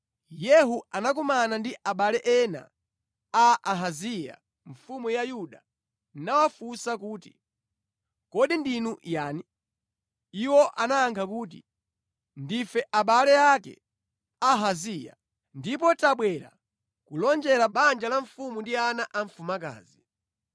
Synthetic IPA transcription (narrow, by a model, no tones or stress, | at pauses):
jɛɦuanak̬umanandiʔaɓalɛʔɛna̰ | aːɦazija̰ | ɱ̩fumujajuɗa | nawafusakuːti̥̰ | kɔɗindinujaːni | iwɔʔanaːŋkʰak̬uːt̬ḭ | ndifɛʔaɓalɛakɛ̰ | aɦazija̰ | ndip̬ɔtaɓwɛɾa̰ | kulɔnd͡ʒɛɾaɓand͡ʒalaɱfumundianaʔaɱ̩fumaka̰ːzi